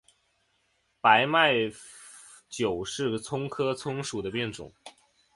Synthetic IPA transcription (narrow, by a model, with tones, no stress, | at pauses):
pa˧˥ɪma˥˩ɪ | t͡ɕjo˨˩ʊʂɻ̩˥˩t͡sʰʊ˥ŋkʰɤ˥t͡sʰʊ˥ŋʂu˨˩d̪ə˦pjɛ˥˩nʈ͡ʂʊ̰˨˩˦ŋ